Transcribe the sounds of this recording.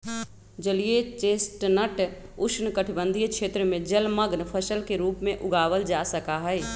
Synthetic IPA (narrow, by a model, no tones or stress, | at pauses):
d͡ʒəlijet͡ʃeːsʈnəʈʊʃnkəʈʰbə̃nd̪ʱijkʃʰeːt̪ɾəmẽd͡ʒəlməɡnpʰəsəlkeɾuːpmẽʔʊɡaːʋəld͡ʒasəkaɦɛɪ